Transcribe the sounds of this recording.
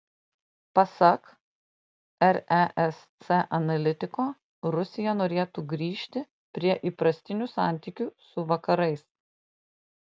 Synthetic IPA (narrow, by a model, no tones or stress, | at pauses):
pɐsɐk | ɛɾɛʔɛst̪sɛʔɐnɐlʲɪt̪ʲɪkoː | ɾʊsʲɪjɛnoːɾʲeːt̪uːɡɾʲiːʃʲt̪ʲɪ | pʲɾʲiɛʔiːpɾɐsʲt̪ʲɪnʲusɑˑnʲt̪ʲiːkʲusʊʋɐkɐɾɐɪs